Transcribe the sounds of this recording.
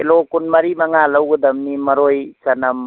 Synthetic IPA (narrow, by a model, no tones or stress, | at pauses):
elokunmɐɾimaŋalawɡud̪ɐmnimɐɾojsanɐm